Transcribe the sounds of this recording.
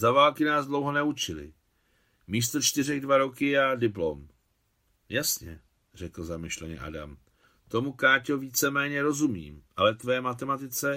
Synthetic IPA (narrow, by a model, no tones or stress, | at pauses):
zavaːlkɪnaːzdlo̞wɦo̞nɛut͡ʃɪlɪ̰ | miːst̪ot͡ʃt̪ɪrɛɣdvaɾo̞kɪjaːdɪplom | jasɲɛ̰ | r̝ɛkl̩zamɪʃlɛɲɛ̰ʔa̰da̰m | t̪o̞mukaːcoviːt͡sɛmɛːɲɛɾo̞zumḭːmʔalɛt̪vɛːmat̪̬ɛmat̪ɪt͡sɛ